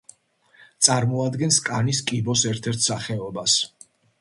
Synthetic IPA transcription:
t̪sʼaɾmɔad̪ɡɛnskʼaniskʼibɔsɛɾt̪ʰɛɾt̪ʰsaχɛɔbas

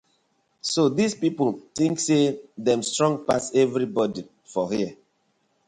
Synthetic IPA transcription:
sodispipultĩŋksedɛ̃mstɹɔ̃ŋɡ̚pa̰sɛvɾibɔdi | fɔhiə

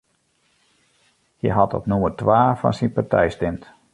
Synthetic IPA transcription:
hə̰jɦatɔ̰pnumərtʋaːfɔ̰nsinpatɛ̰jstɪmt

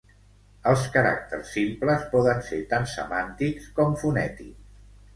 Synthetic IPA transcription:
əlˠskəɾa̰k̚t̪ə̰ɾsːimpləspɔðənset̪ansə̰mant̪ikskɔmfunɛt̪ḭks

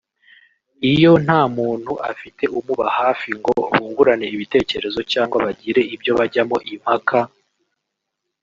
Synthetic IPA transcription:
ijo̞n̥haːmuːn̥huʔa̰fite̞ʔumuβahaːfiŋɡoβuːŋɡuɾane̞iβite̞ːce̞ɾe̞zo̞caːŋɡwaβaɟiɾe̞ibjo̞βaɟamo̞ʔim̥hakʰa

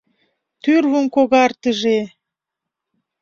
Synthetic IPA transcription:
t̪yrvumkoɣɑrt̪ə̆ʒe

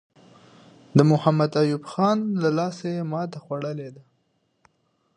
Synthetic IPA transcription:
d̪əmʊhamad̪ajubxɑnlalɑsejemɑt̪axwaɽəled̪a

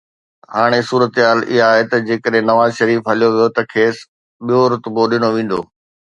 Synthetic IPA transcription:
haːɽ̃esuːɾət̪ɦaːlɪ̰ɦaːɦet̪ɐd͡ʑeːkəɗɦɪ̃nɐʋaːzʃɐɾiːfɦɐlijoʋijot̪ɐkʰeːs | ɓijoɾʊt̪boɗɪñoʋẽːn̆d̪o̰ː

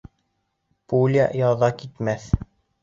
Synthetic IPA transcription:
pulʲja̰jɑðɑkit̪mæθ

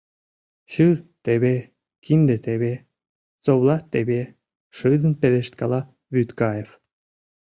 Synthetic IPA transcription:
ɕɯɾt̪eβʲe | kind̪et̪eβe | t͡sowlˠɑt̪ebʲe | ʂɨd̪ə̆npeleʃt̪kɑlˠɑ | βyt̪kɑjef

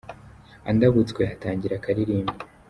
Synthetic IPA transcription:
a̰ndaβut͡sweataːɲɟiɾakaɾiɾiːmbi

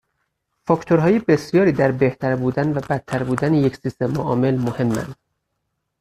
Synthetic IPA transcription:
fɒcʰt̪ʰoɾɦɒːjebe̞sjɒːɾiːd̪æɾbe̞ht̪ʰæɾbuːd̪ænvæbæt̪ʰːæɾbuːd̪ænejecsist̪emoʔɒːme̞lmohe̞mːæ̰nd̪̥

